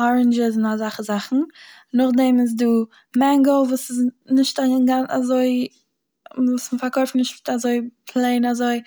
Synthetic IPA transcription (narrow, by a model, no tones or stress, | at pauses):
ɔɹənd͡ʒɪzɪnazaχəzaχn̩nʊχdɛmɪs̬duː | mɛŋɡl̩ˠvuːsɪznɪʃtaɡana̰zoɪ | vuːsməfaɾkoɪftnɪʃttazoɪpʰlˠeɪnazoɪ